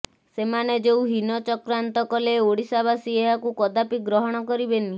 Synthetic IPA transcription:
semaned͡ʒeuɦinɔt͡ʃɔkɾant̪ɔkɔleoɽisabasieɦakukɔd̪apiɡɾɔɦɔɽ̃ɔkɔɾibeni

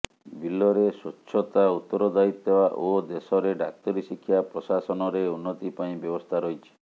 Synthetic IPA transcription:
bilːɔɾesuʃʰɔt̪aut̪ːɔɾɔd̪ait̪ebaʔod̪esɔɾeɖak̚t̪ɔɾisikʰːjapɾɔsasɔnɔɾeunːɔt̪ipaĩbjɔbɔst̪ʰaɾɔjt͡ʃʰi̥

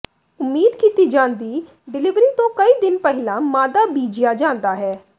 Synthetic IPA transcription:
ʊmːiːd̪kiːt̪iːd͡ʒãːnd̪iː | ɖɪlɪʋɾiːt̪õːkəiːd̪ɪnpɛɦɪlãːmaːd̪aːbiːd͡ʒijaːd͡ʒãːnd̪aːɦɛː

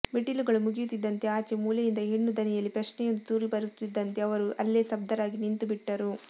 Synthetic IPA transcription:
meʈiluɡɐɭumuɡijut̪id̪ːɐnt̪e̞aːt͡ʃemuːlɐjind̪ɐɦiɳːud̪ɐnɛjɐlːipɾɐt͡ʃnɛjond̪ut̪uːɾibɐɾut̪ːid̪ːɐnt̪e̞ɐʋɐɾuɐlːeːsɐb̚d̪ɐɾaːɡinint̪ubiʈːɐɾu

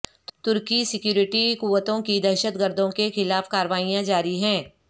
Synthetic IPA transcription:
t̪ʊɾkisɪkjuːɾɪʈikuʋət̪õkid̪ɛɾʃət̪ɡəɾd̪ʱõkexɪlaːfkaːɾʋaːijãd͡ʒaːɾiɦɛ̃ː

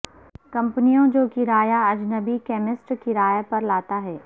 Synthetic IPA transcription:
kɐ̃mpnijõd͡ʒoːkiɾaːjaɐd͡ʒnəbikɛːmɪsʈkiɾaːjapɐɾlaːt̪aɦɛː

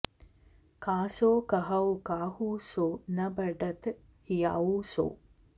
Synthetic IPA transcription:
kaːsoːkɐɦɐwukaːhuːsoːnɐbɐɖɐt̪ | hija̰uso̰ː

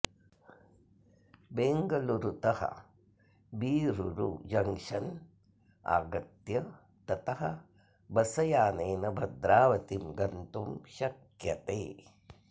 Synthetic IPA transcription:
beːŋɡɐluɾut̪ɐhɐ̰ | biːɾuɾṵd͡ʒɐŋʃɐn | a̰ːɡɐt̪jɐ | t̪ɐt̪ɐɦɐ̆ | bɐsɐjaːneːnɐbʱɐd̪ɾaːʋɐt̪imɡɐnt̪umʃɐk | jɐt̪eː

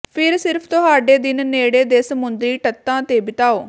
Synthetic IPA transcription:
pʰɪɾsɪɾpʰt̪ʊɦaːɖeːd̪ɪnneːɽeːd̪eːsəmʊnd̪ɾiːʈət̪ːãːt̪eːbɪt̪aːoː

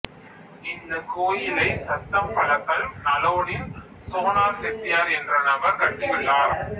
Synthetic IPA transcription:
ɪnd̪ɐkoːjɪlɐɪsɐt̪ːɐmpɐɭɐt̪ːɐlmnɐloːɽɪn | soːnaːɾsɛt̪ːɪjaːɾɛndrɐnɐbɐɾkɐʈːɪjɪɭːaːɾ

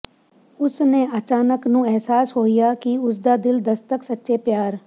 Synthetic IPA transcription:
ʊsneːət͡ʃaːnəknũːɛɦsaːsɦoːɪjaːkɪʊs̬d̪aːd̪ɪld̪əst̪əksətːʃeːpjaːɾ

